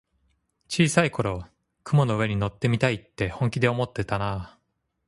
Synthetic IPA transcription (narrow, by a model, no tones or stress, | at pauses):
t͡ɕiːsaiko̞ɾo̞ | kɯ̟mo̞no̞ɯ̟e̞ɲ̟ino̞t̪ːe̞mʲit̪ait̪ːe̞hõ̞ŋkʲid̪e̞o̞mo̞t̪ːe̞t̪ana